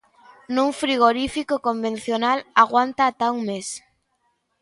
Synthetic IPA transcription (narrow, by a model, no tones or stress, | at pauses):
nũŋfɾiɣ̞oɾifikokombẽn̟θjonalaɣwant̪aːt̪auŋmes